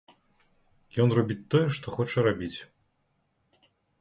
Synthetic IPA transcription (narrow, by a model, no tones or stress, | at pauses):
jɔnrabʲit͡sʲt̪ɔjɛʂt̪ɔxɔt͡ʂɐɾabʲit͡sʲ